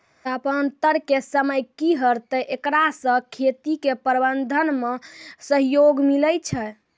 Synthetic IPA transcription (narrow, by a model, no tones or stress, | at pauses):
əpənt̪əɾkesəməjkiɦəɾt̪əʔekɾasə̃kʰet̪ikepəɾbənd̪ʱənmesəɦjoɡmiləjt͡ʃʰɛ